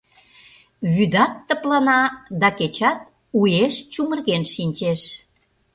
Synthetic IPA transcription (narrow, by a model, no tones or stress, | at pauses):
βyd̪ɑt̪ːə̆plɑnɑd̪ɑket͡ɕɑt̪̚ | ujeʃt͡ɕumərɣenʃinʲt͡ɕeʃ